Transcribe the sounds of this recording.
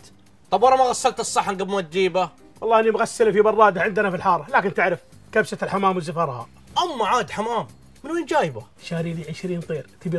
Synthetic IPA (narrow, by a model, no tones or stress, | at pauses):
t̪ˤɑbwɑɾˤɑmaɣasːɑlt̪ɨsˤːɑħːanɡɪbmʊad̪ːiːba | wʔɑlˤːɑːʔɪnːimɣasːɪlfibɑrˤːɑːd̪aʕɪnd̪anafilħɑːɾˤɑlaːkɪnt̪ɪʕɾɪf | kabsat̪ɪlħamaːmwɪzafɑɾˤha̰ | ʔamːaʕaːd̪ħamaːm | mɪnwiːnd͡ʒaːjba | ʃaːɾiliʕɪʃɾiːnt̪ˤiːɾt̪ɪbi